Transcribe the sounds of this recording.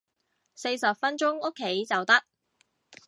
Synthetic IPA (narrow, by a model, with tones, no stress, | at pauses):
se˧jsɐ˨p̚fɐ˥nt͡ʃʊ˥ŋo˥kʰːe˨˥jt͡sɐ˨wt̪ɐ˥k̚